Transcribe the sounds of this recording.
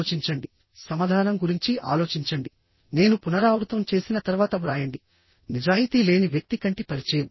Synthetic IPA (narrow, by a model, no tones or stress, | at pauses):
t͡ʃiɲt͡ʃɐɳɖi | sɐmaːd̪ʱaːnɐmɡuɾiɲt͡ʃiʔa̰ːlo̞ːt͡ʃiɲt͡ʃɐɳɖi | ne̞ːnupunɐɾaːʋɾut̪ɐmt͡ʃe̞ːsinɐt̪ɐɾuʋaːt̪ɐʋɾaːjɐɳɖi | nid͡ʒaːjit̪iːle̞ːniʋjɐk̚t̪ikɐɳʈipɐɾit͡ʃɛːjɐmu